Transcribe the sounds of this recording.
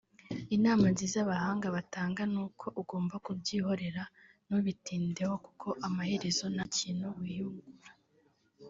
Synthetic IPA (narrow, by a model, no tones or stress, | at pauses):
inaːmanziːzaβahaːŋɡaβataːŋɡanuːkʰo̞ʔuɡo̞ːmbakubɟiːho̞ɾe̞ɾa | nuβitiːnde̞ho̞ku̥kʰo̞ʔamahe̞ɾe̞zo̞naciːnhuwiːhuŋɡuɾa